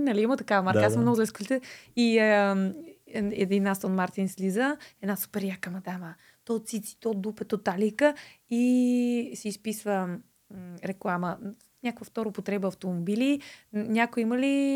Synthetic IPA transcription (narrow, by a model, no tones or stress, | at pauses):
nɐliimət̪ɐkavəmaɾkaasmnɔɡʊzlɛskolit̪ɛi | ɛ̰d̪inast̪onmaɾt̪inslizəɛd̪nasu̥pɛɾjakəmɐd̪amə | t̪ɔt̪sit̪si̥t̪od̪upɛt̪ot̪alikəi | siːspisvə | ɾɛklˠamə | nʲakokvəft̪ɔɾopot̪ɾɛbəːft̪omobilinʲakojiməli